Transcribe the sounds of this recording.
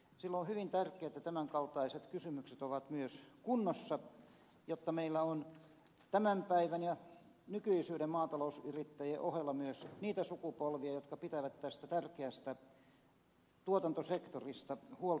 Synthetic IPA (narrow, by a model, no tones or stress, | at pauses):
silːohyʋint̪ærkˑeːt̪ːˑæt̪æmæŋkɑlt̪ɑiset̪kysymykset̪oʋɑt̪myøskunːosːɑ | jot̪ːɑmeilːæon | t̪æmæmpæiʋænjɑ | nykyisyːdemmɑːt̪ɑlousyrit̪ːæjeʔohelːɑmyøsniːt̪æsukupolʋiɑjot̪kɑpit̪æʋæt̪t̪æst̪æt̪ærkeæst̪æ | t̪uot̪ɑnt̪osekt̪orist̪ɑhuol